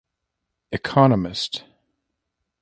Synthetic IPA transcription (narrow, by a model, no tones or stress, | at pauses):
ɨkʰɑnəmɨst